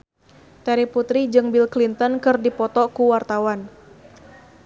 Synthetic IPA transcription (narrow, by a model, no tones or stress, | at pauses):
t̪ɛɾiput̪ɾid͡ʒɨŋbilklint̪ɔnkɨrdipɔt̪ɔkuwart̪awan